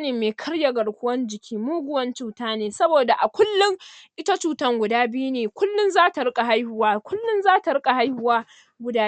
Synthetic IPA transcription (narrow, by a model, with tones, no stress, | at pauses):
neː˨meː˨kʰɐ˦ɽja˨ɡɐ˨ɽkʷʊ˦wɐ˦nd͡ʒɪ˨kʲʰiː˦muː˦ɡʷʊ˦wɐ˦nt͡ʃuː˦taː˦neː˨sɐ˦boː˨da˨ʔa˨kʷʊ˦lːʊ˦ŋʔɪ˦ta˦t͡ʃuː˨tɐ˦ŋɡʷʊ˨daː˦bɪ˦ju˦neː˨kʷʊ˦lːʊ˦nzaː˦ta˨ɽʊ˦kʼa˨ɦa˦jhʊ˦waː˦kʷʊ˦lːʊ˦nzaː˦ta˨ɽʊ˦kʼa˨ha˦jhʊ˦waː˦ | ɡʷʊ˦daː˦